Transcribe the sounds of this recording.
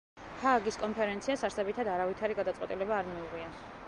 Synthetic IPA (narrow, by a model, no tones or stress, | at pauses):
pʰaɡiskʼɔnpʰɛɾɛnt̪sʰiasaɾsɛbit̪ʰad̪aɾavit̪ʰaɾiɡad̪at̪sʼwɛt̪ʼilɛbaːɾmiuʁia